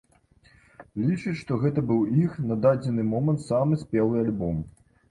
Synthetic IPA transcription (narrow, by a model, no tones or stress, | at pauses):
lʲit͡ʂɨt͡sʲʂt̪ɔɣɛt̪ɐbɨwixnɐd̪ad͡zʲɛnɨmɔmɐnt̪samɨsʲpʲɛlˠɨalʲbɔm